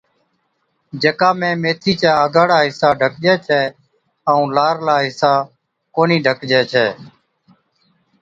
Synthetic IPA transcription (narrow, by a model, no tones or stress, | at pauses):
d͡ʒeːkãːmẽːmeːt̪ʰiːt͡ʃaːəɡaːɽaːɦɪsaːɖʱəkd͡ʒɛːt͡ʃʰɛː | əũːlaːɾlaːɦɪsaː | koːniːɖʱəkd͡ʒɛːt͡ʃʰɛː